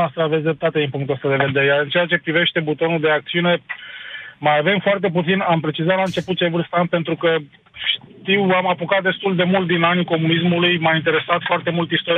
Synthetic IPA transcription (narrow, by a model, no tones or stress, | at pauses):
ast̪ɾəavet̪sʲd̪ɾep̚t̪at̪ed̪inpuŋkt̪uəst̪ad̪e̞ve̞d̪e̞ɾejaɾɨnt͡ʃe̞at͡ʃe̞pɾive̞ʃt̪e̞but̪o̞nuld̪e̞akt̪siune̞ | majave̞mfoart̪e̞p̬ut̪sinampɾe̞t͡ʃizat̪laɨnt͡ʃe̞put̪̚t͡ʃevɨrst̪ant̪̚pe̞nt̪ɾukə | ʃt̪iwamapokat̪̚d̪e̞st̪uld̪e̞mult̪̚d̪inaniko̞munismulujmaint̪e̞ɾe̞sat̪foart̪e̞mult̪ist̪oɾ